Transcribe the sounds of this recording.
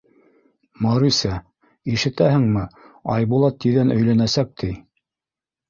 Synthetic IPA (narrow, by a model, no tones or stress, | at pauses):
mɑɾusæ | iʃɘ̆t̪æhɘ̆ŋmɘ | ɑ̰jbulˠɑt̪ːiðænʔɵ̆jlænæsæk̚t̪ʰi